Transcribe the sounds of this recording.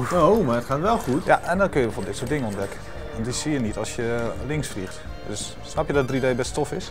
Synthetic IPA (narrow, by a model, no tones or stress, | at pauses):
owmaətχaːtʋɛlˠxutjaʔɛndɔnkønjəbəfobədɪtsuːət̚dɪŋəɔndɛkə | ʋɔndisijənitɔlˠsjəlɪŋsflixt | døs | snapjədɔt̚dridejbɛstofɪs